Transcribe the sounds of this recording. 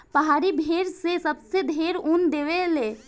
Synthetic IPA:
pəɦaːɾibʱeːɾsesəbsed̪ʱeːɾund̪eːʋeleː

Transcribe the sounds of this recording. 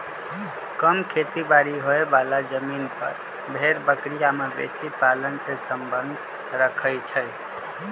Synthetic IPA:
kəmkʰet̪ibaɾiɦoebalad͡ʒəminpəɾ | bʱeɾbəkɾijamebḛsipalənsẽsəmbənd̪ʱ | ɾəkʰəjt͡ʃʰəj

